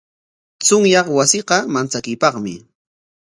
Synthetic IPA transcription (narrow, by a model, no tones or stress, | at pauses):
t͡sʊŋjɑχwasɪqɑmant͡sakɪjpɑχmɪ̰